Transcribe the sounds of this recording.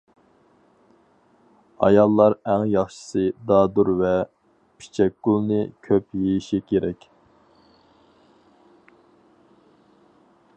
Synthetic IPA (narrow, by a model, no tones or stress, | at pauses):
ɑ̰jɑlˠːɑɾæŋjɑχʃə̥sɨd̪ɑːd̪uɾvɛ | pʰi̥t͡ʃʰɛk̚ʲɡulˠnɨkʲʰøpjejiʃikʲʰeɾɛkʲ